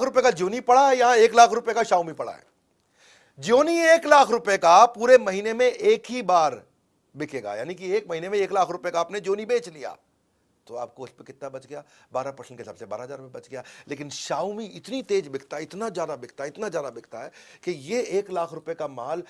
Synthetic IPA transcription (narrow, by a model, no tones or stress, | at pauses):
kʰɾʊpekad͡ʒoːnipɐɽaɦɛjãeːklaːkʰɾʊpjekaʃaːʊmipɐɽa̰ɦɛ̰ː | d͡ʒoːnieːklaːkʰɾʊpekapuːɾemɐɦiːnemẽʔeːkɦibaːɾ | bɪkʰeːɡa̰jaːnikieːkmɐɦiːnemẽeːklaːkʰɾʊpekaːpned͡ʒoːnibeːt͡ʃlija̰ː | t̪oaːp̚koʊspekɪt̪ːabɐt͡ʃɡɐjaː | baːɾapɾɐʃʰɪ̃nkesɐbseba̰ːɾaɦɐzaːɾmẽbɐt͡ʃɡɐjaːleːkɪnʃaːʊmiɪt̪nit̪eːd͡ʒbɪkʰt̪aɦɛɪt̪nazjaːd̪abɪkʰt̪aɦɛɪt̪nazjaːd̪abɪkʰt̪aɦɛːkejeeːklaːkʰɾʊpekamaːl